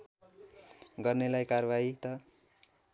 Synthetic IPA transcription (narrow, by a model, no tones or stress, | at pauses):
ɡʌrnelajkarbait̪ʌ